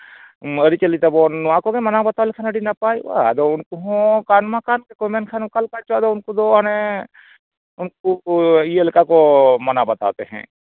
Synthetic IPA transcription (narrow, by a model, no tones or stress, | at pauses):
ɐɾit͡ʃɐlit̪ɐboːnːʊãkoɡemɐnabɐt̪aːwlekʰanɐɖinɐpaːiwa̰d̪oʊnkuɦõkaːnmãkaːnkekomenkʰankɐlkat͡ʃːd̪oʊnkud̪oɐne | ʊnk̚uielkakomɐnabɐt̪a̰ːt̪eɦɛ̰̃ː